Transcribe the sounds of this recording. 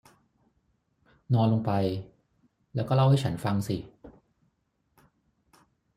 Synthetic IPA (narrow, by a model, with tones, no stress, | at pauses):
nɔː˧nlo˧ŋpa˧j | lɛː˦˥wkɔː˥˩la˥˩wha˥˩t͡ɕʰa˦˥nfa˧ŋsi˨˩